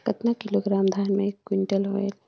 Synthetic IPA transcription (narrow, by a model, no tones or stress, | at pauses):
kɐt̪nakɪloɡɾaːmd̪ʱaːnmẽekːwɪɳʈəlḛl